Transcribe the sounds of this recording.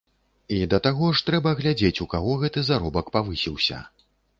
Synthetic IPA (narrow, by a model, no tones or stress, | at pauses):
id̪ɐt̪aɣɔʂt̪ɾɛbɐɣlʲad͡zʲet͡sʲukaɣɔɣɛt̪ɨzaɾɔbɐkpavɨsʲiwsʲɐ̰